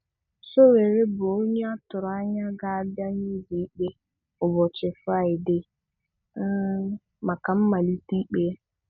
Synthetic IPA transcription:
so˦we˨ɾɪ˦bʊ˨o˦ɲ˦a˦tʊ˨ɾa˦ɲa˦ɡa˦˨ba˦ɲi˦zi˨˦k͡pe˦ | ʊ˨bɔ˨t͡ʃɪ˨fa˦˨ɪ˨dɪ˦ | ma˨ka˨m̩˦ma˨li˦ti˦k͡pe˦

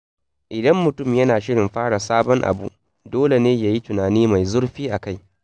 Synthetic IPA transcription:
ʔɪ˨dɐ˦mːʊ˨tʊ˦˨mjɐ˦naː˨ʃɪ˦ɽɪ˨mɸaː˦ɽa˨saː˦bɔ˦ŋʔa̰˨bṵ˨ʔ | doː˦le˨neː˦jaː˨ji˦tʊ˨naː˨niː˦ma˨jzʊ˦ɽɸiː˦ʔa˨ka˦˨j

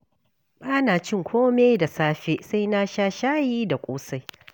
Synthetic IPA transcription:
ɓaː˦naː˨t͡ʃɪ˦ŋkʷʰoː˦me˦da˨saː˦ɸe˦sa˦jna˦ʃaː˦ʃaː˦jiː˦da˨kʷʼoː˦sa˦j

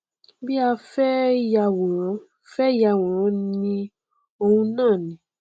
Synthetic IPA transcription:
bi˦a˧fɛ˦ja˧wɔ̃˨˦ | fɛ˦ja˧wɔ̃˨˦nĩ˧ | o˧hũ˧nãː˦˨nĩ˨

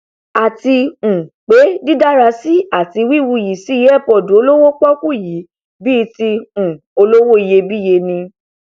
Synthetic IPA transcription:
a˨ti˧ũ˨k͡pe˨˦di˦da˦ɾa˧si˦a˦˨ti˧wi˦˨wu˧˨ji˨si˨˦je˦ɛ˦˨pɔ˨dũ˨˦o˧lo˦wo˦k͡pɔ˦ku˦˨ji˨˦ | bi˦˧ti˧ũ˨ | o˧lo˦wo˦˨i˧je˧bi˦˨je˧nĩ˧

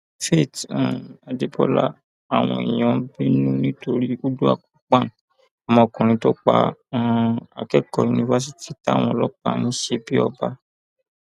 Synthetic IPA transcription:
fe˦˨ta˨de˧bɔ̰˦la̰˦˨ | a˨w̃ɔ̃˧ḭ˨j̃ɔ̃˨˦bi˦nũ˦nĩ˦to˧ɾi˦u˦du˦a̰˦˨ku˨k͡pã˦˨ | a˨mɔ̃˧˨kũ˨ɾ̃ĩ˧to˦k͡pã̰˧ | a̰˨kɛ˦˨kɔ˨ju˨nĩ˧va˧s̬i˦ti˦ta˦˨w̃ɔ̃˧˨˧lɔ˦k͡pa̰˦˨nĩ˦ʃe˧bi˦ɔ˧ba˧

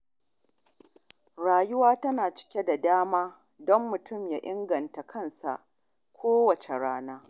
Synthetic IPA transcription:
ɽaː˨jʊ˦waː˦tɐ˦naː˨t͡ʃɪ̥˦kʲe˦da˨daː˦maː˦ | dɔ˦mːʊ˨tʊ˦˨mjaː˦ʔɪ˦ŋɡɐ˨nta˨kʰɐ˦nsa̰˨ʔ | kʷʰoː˦wɐ˨t͡ʃe˨ɽaː˦naː˦

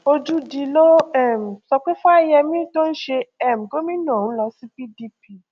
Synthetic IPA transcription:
o˧d͡ʒu˦di˧lo˦ɛ˦˨m̩˨sɔ˧k͡pe˦fa˦i˧jɛ˧mĩ˦to˦n̩˦ʃe˧ɛ˦˨m̩˨ɡo˦mĩ˦nã˦˨ũ˦lɔ˧si˦pi˦di˦pi˦

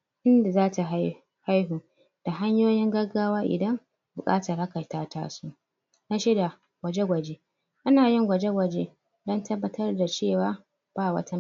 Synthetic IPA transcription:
ʔɪ˦nda˨zaː˦ta˨ɦa˦ | ha˦jɦu˨ | d̥a˨ɦa˦ɲjoː˦jɪ˦ŋɡɐ˦ɡːaː˦waː˦ʔɪ̰˨dɐ˦m | bʊ˨kʼa̰ː˦tɐ˨rha˦ka˨taː˦ta̰ː˦suː˦ | na˦ʃɪ˦da˨ | ɡ̥ʷɐ˨d͡ʒe˦ɡʷɐ˨d͡ʒe˦ | ʔa˦naː˨jɪ˦ŋɡʷɐ˨d͡ʒe˦ɡʷɐ˨d͡ʒe˦ | dɔ˦ntɐ˦bːɐ˦tɐ˦rda˨t͡ʃeː˦˨waː˦ | b̥aː˦˨wɐ̰˦ta˦

